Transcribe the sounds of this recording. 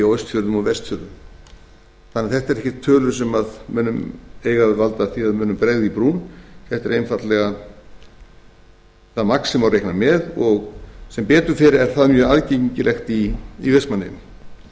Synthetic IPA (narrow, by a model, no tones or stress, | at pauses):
iojst̪fjʏɾðʏmɔvɛst̪fʏɾðʏm | θanːɛaθɛht̪ɛɾɛhçcɪ̥ɾ̥t̪ʰːœːlʏɾ̥s̬ɛmaðmʏːnʏmeːjɣavalt̪aθiaðmʏːnʏmpɾeːɣðipɾuːnθɛht̪ɛɾejnfat̪lɛɣa | θaðmaksɛmawrejknamɛðɔɣsɛmpɛːt̪ʏɾ̥fɪɾɛɾ̥θaðmjœːaðceɲiɲcɪlʔɛxt̪iːvest̪manːɪm